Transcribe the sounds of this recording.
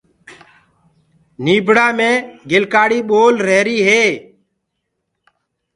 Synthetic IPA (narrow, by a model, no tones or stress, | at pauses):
niːbʱɽaːmẽːɡɪlkaːɽiːɓoːlɾeːɾiːɦeː